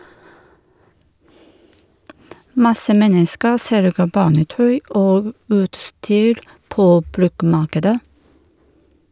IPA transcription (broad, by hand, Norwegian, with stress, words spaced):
ˈmɑsə ˈmɛnəskəɾ ˈsɛlɡə ˈbɑːnəˌtœʏ ˈoːɡ ˈʉːtˌstyːɾ ˈpoː ˈbɾʉkˌmɑːkədə